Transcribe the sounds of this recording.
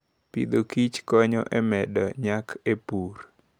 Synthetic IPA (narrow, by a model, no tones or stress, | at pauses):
pḭd̪okit͡ʃkɔɲɔ̰ʔɛmɛdɔɲakʰepur